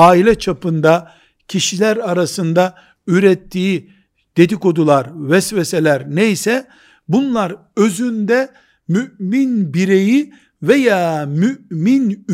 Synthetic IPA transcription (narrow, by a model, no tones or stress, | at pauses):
aːilʲɛt͡ʃʰapʰɯnd̪a | cʰiʃilʲæɾaɾasɯnd̪a | yɾɛt̪ʰːiː | d̪̥e̞d̪iko̞d̪ulˠaɾvɛsvɛselʲæɾnejsɛ | bunlˠaɾ | ø̞zynd̪ɛ | myʔminbiɾe̞ji | vejaːmymin